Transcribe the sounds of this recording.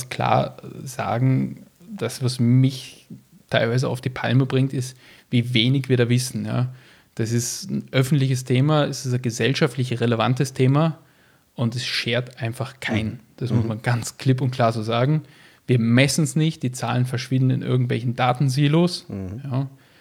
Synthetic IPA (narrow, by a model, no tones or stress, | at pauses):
skʰl̥a̰ːɐza̰ːɡŋ̩ | d̥asv̥asmɪç | tʰaɪlvaɪzəa̰ʊfd̥iːpʰa̰lməbʁɪŋtɪst | viːveːnɪçviːɐɾaːvɪsn̩ja̰ː | d̥asɪstn̩ʔœfn̩tlɪçəstʰeːmaɛsɪsɡəzɛlʃaftlɪçʁeləva̰ntəstʰeːma | ʔʊntɛsʃeːɐtʔaɪnfaχkʰaɪnd̥asmʊsmanɡant͡skʰl̥ɪp̬ʊnt̚kʰl̥aːɐzoːzaːɡŋ̩ | viːɐmɛsn̩snɪçt̚d̥iːt͡sa̰ːlənfɛɐʃv̥ɪ̃ndn̩ɪ̰nʔɪ̰ɐɡŋ̩tv̥ɛ̰lçn̩daːtn̩ziːlosjaː